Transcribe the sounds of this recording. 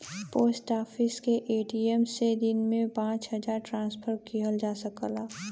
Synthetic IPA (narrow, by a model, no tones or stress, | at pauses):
poːsʈaːpʰɪskeʔeːʈiemsed̪ɪnmẽpãːt͡ʃɦəd͡ʒaːɾʈɾãːnspʰəɾkiɦəld͡ʒaːsəkəlaː